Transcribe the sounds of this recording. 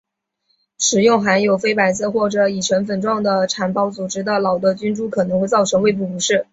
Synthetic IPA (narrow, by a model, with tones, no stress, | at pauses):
ʂɻ̩˨˩jʊ˥˩ŋxa˧˥njo˨˩ʊfe˥ɪpa˨˩ɪsɤ˥˧xwɔ˥˩ʈ͡ʂɤ˨˩i˨˩ʈ͡ʂʰə˧˥nfə˨˩nʈ͡ʂwɑ˥˩ŋd̪ə˩ʈ͡ʂʰa˨˩npɑ˥ʊt͡su˨˩ʈ͡ʂɻ̩˥d̪ə˧˨lɑ˨˩ʊd̪ə˦t͡ɕy˥nʈ͡ʂu˥˩kʰɤ˨˩nɤ˧˥ŋxwe˥˧ɪt͡sɑ˥˩ʊʈ͡ʂʰɤ˧˥ŋwe˥˧ɪp̬u˥˩pu˧˥ʂɻ̩˥˩